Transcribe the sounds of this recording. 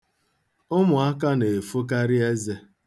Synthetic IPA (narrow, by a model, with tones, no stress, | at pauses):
ʊ˦mʊ˨a˦ka˦ne˨fo˦k̬a˦ɾɪ˦e˦ze˦